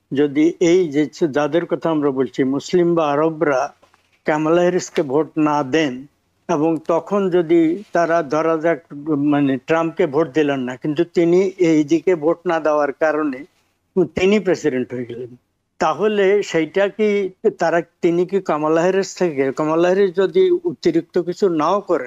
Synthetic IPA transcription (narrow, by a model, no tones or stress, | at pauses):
d͡ʑod̪iejd͡ʑed͡ʑad̪eɾkɔt̪ʰaamɾabolt͡ɕʰimuslimbaaɾobɾa | kɛmalaɦiɾeskebʱoʈnad̪en | eboŋt̪ɔkʰond͡ʑod̪it̪aɾad̪ʱɔɾad͡ʑakmaneʈɾamp̚kebʱoʈ̚d̪ilenːakint̪ut̪iniʔejd̪ikebʱoʈnad̪eoaɾkaɾone | t̪inipɾesiɖeɳʈɦoeɡɛlen | t̪aɦoleʃejʈakit̪aɾat̪inikikamalaɦiɾest̪ʰekekɔmalaɦiɾisd͡ʑod̪iut̪iɾik̚t̪okit͡ɕʰunaokɔɾe